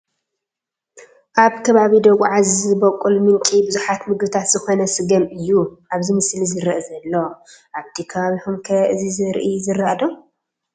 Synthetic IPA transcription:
ʔaβkʰɐβaβid̪ɐɣuʕazɨbɐkʼːulmɨŋkʼibɨzuħat̪mɨɡbɨt̪ʰat̪z̥ɨxo̞nɐsɨɡɐmɨjːuʔaβzimɨslizɨɾɐʔzɐlːo̞ʔaβt̪ʰikʰɐβaβihumkʰɐɨzizɨɾʔizɨɾaʔd̪om

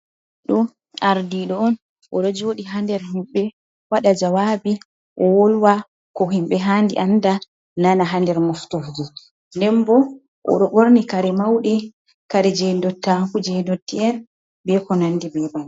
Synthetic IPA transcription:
ɗɔ | aɾdiɗɔɔn | ʔɔɗɔd͡ʒoːɗiɦandɛɾhimɓɛ | waɗad͡ʒawabi | ʔɔwolwa | kɔɦimɓɛɦandḭʔanda | nanaɦandɛɾmɔftofd͡ʒi | ndɛmbɔ | ʔɔ̰ɗɔɓoɾnikaɾɛmawɗi | kaɾɛd͡ʒɛdɔtːakud͡ʒɛdɔtːiɛn | bɛkɔnanːdibɛban

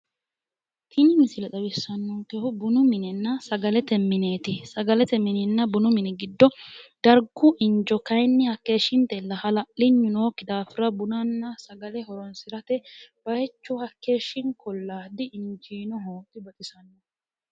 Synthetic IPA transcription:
k̪ʰɪnɪmɪsɪlɛt̪ɐbɪsːɐnːɔk̪ɛhʊbʊnʊmɪnɛnːɐsɐɡɐlɛt̪ɛmːɪneːt̪ɪsɐɡɐlɛt̪ɛmːɪnɛnːɐbʊnʊmɪnɛɡɪd̪ːɔd̪̥ɐɾɡʊʔɪɲd͡ʒɔkɐjnːɪhɐkːe̞ːʃːɪnt̪ɛlːɐhɐlɐlɪɲːʊnoːkːɪd̪aːfɪɾɐbʊnɐnːɐsɐɡɐlɛhɔɾɔnsɪɾɐt̪ɛb̥ɐhɛt͡ʃːʊhɐkːe̞ːʃːɪŋkʰɔlːaːd̪ɪɪɲd͡ʒiːnɔɦoːt̪ɪbɐt̪ʼɪsɐnːɔ

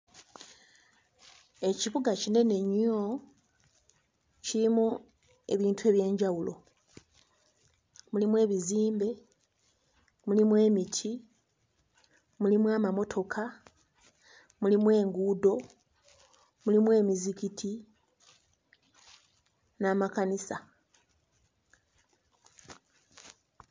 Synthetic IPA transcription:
e̞ciβuɡacine̞ne̞ɲo̞ | cilimu | e̞βiːntʰue̞ːβje̞ːɲɟawulʔo̞̰ | mulimwe̞ːβiziːmbe̞ | mulimwe̞ːmitʰi | mulimwaːmamo̞tʰo̞kʰa | mulimwe̞ːŋɡuːdo̞ | mulimwe̞ːmizicitʰi | naːmakanisa

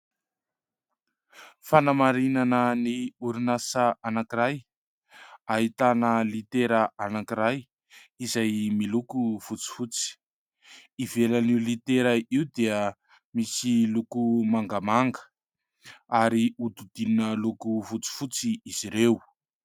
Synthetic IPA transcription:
fanamaɾinanəniuɾunasəanakiɾaj | aɦit̪anəlit̪eɾəʔanakiɾaj | izajmilukufut͡si̥fut͡si̥ | ivelaniulit̪eɾəiud̪eə | misilukumaŋɡamaŋɡə̥ | aɾiud̪ud̪ininəlukufut͡si̥fut͡siiz̥iɾew

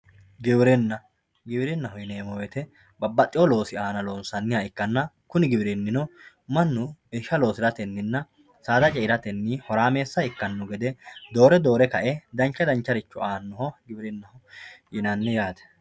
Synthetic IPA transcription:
ɡɪbɪɾɛnːɐ | ɡɪbɪɾɪnːɐhɔjneːmɔwɛt̪ɛ | bɐbːɐt̪ʼːɪwɔlo̞ːsɪaːnɐloːnsɐnːɪjaːɪkːɐnːɐ | kʊnɪɡɪbɪɾɪnːɪnɔ | mɐnːʊɛʃːɐlo̞ːsɪɾɐt̪ɛnːɪnːɐ | saːd̪ɐt͡ʃʼɛɪɾɐt̪ɛnːihɔɾaːmeːsːɐɪkːɐnːʊɡɛd̪ɛd̪o̞ːɾɛd̪o̞ːɾɛkɐʔɛd̪ɐnt͡ʃːɐd̪ɐnt͡ʃːɐɾɪt͡ʃːʊaːnːɔhɔɡɪbɪɾɪnːɐhɔjɪnɐnːɪjaːt̪ɛ̥

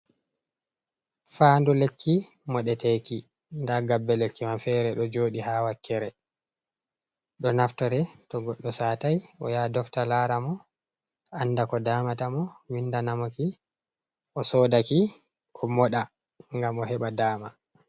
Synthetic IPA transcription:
faːndulekːi | mɔɗɛtɛki | ndaɡabːɛlekːimamfɛːɾɛɗɔd͡ʒoːɗihawakːɛɾɛ | ɗɔnaftɔɾɛtɔɡɔɗːɔsaːtajɔ̰jaːdɔftalaːɾamɔ | anːdakɔdaːmatamɔwinːdanamɔki | ʔɔsɔːdaki | ʔɔmɔɗa | ŋɡamɔɦɛɓadaːma

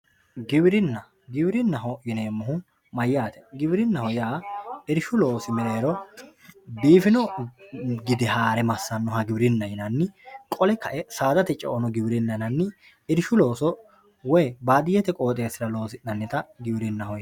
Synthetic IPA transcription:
ɡɪbɪɾɪnːɐ | ɡɪbɪɾɪnːɐɦɔjɪneːmːʊɦʊ | mɐjːaːt̪ɛ̥ɡɪbɪɾɪnːɐhɔjaːɪɾʃʊlo̞ːsɪmɛɾe̞ːɾɔ | biːfɪnɔ | ɡɪd̪ɪhaːɾɛmɐsːɐnːɔhɐɡɪbɪɾɪnːɐjɪnɐnːɪkʼɔlɛkɐʔɛsaːd̪ɐt̪ɛt͡ʃʼɛ̰ʔɔnɔɡɪbɾɪnːɐnɐnːɪ | ɪɾʃʊloːsɔ | wɔjbaːd̪ɪjɛt̪ɛkʼo̞ːt̪ʼe̞ːsɪɾɐlo̞ːsɪnɐnːɛt̪ɐɡɪbɪɾɪnːɐɦɔj

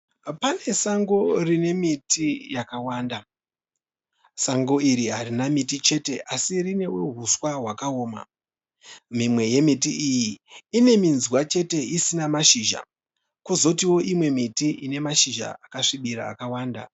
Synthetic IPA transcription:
pane̞saŋɡo̞rine̞mitijakawaːnda | saŋɡo̞iɾiɦarinamitit͡ʃe̞te̞ʔasirine̞wḛɦuswaɦwakaoːma̰ | mimwe̞je̞mitiʔijiine̞minzwat͡ʃe̞te̞isinamaʃiʒa̰ | kuzo̞tiwo̞ʔimwe̞mitiʔine̞maʃiʒa̰akaʂiɓiɾa̰ːkawaːnda̰

